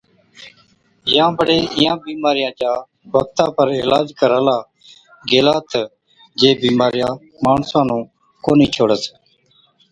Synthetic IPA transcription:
jãːbəɽeːɪjãːbiːmaːɾɪjãːt͡ʃaː | bək̚t̪ãːpəɾɪlaːd͡ʒkəɾaːlaː | ɡeːlaːt̪ə | d͡ʒeːbiːmaːɾɪjãː | maːɳsãːnũː | koːniːt͡ʃʰoːɽəs

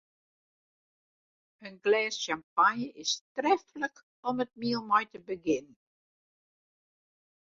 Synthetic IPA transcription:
ənɡlɛːsʃampanjəʔɪstrɛfələk | ɔmət̚miəlˠmɔjtəbəɡɪnən

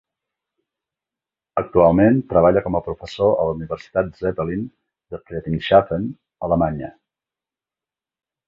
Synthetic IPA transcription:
ək̚t̪ualˠment̪ɾəβaʎəkɔməpɾufəsoə̰ləuniβəɾsi̥t̪at̪̚zɛtəlin | d̪əplɛt̪inʃafən | ələmaɲə

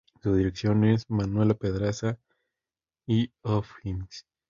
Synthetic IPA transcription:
suðiɾeksjo̞ne̞smanwe̞lape̞ðɾasa | iofins

